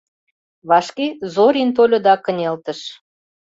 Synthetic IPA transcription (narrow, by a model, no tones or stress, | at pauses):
βɑʃkezoɾint̪̬olʲŏd̪ɑkə̆nʲelt̪ə̆ʃ